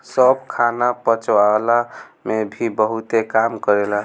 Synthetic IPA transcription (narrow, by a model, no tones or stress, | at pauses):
səb̚kʰanapət͡ʃoalamebʱibəɦut̪ekamkəɾela